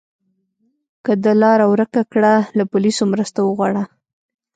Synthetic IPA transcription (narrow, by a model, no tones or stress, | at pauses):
kəd̪əlɑɾawɾəkakɽalapʊlisomɾəst̪awəɣwɑɽa